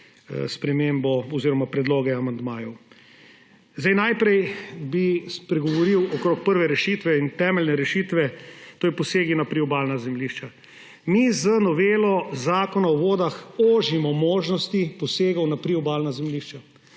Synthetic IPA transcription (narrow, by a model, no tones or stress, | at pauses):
spɾɛmembɔɔziːɾɔmapɾɛd̪loːɡɛamand̪maːjɔw | zd̪ajnajpɾɛjbispɾɛɡɔʋɔɾiwɔkɾok̚pəɾʋɛɾɛʃit̪ʋɛint̪ɛːmɛlnɛɾɛʃit̪ʋɛt̪oːipɔseːɡinapɾiɔbaːlnazɛmliʃt͡ʃa | mizənɔʋeːlɔzaːkɔnaɔʋoːd̪axoːʒimɔmoːʒnɔst̪ipɔseːɡɔwnapɾiɔbaːlnazɛmliʃt͡ʃa